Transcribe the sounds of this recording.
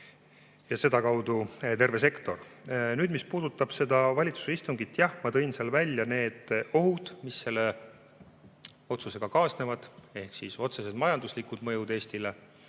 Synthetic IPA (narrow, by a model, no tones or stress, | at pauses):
jɑse̞d̪ɑkɑwd̪ut̪e̞rve̞se̞kt̪o̞rnyːd̪̥mispuːd̪̥ut̪ːˑɑb̥se̞d̪ɑvɑlʲit̪su̥se̞ist̪uŋɡit̪ːˑjɑhmɑt̪ɤ̞jnseɑlvælʲjɑne̞ːd̪̥o̞ɦud̪̥misːe̞lːe̞ | o̞t̪suse̞ɡ̥ɑkɑːsne̞vɑd̪̥e̞hksiso̞t̪se̞sed̪̚mɑjɑnd̪uslikˑud̪̥mɤ̞jud̪e̞ːsʲt̪ile̞